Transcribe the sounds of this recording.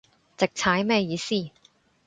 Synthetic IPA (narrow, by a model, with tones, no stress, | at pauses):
t͡sɪ˨k̚t͡sʰaː˨˥jmɛː˥jiː˨˧siː˥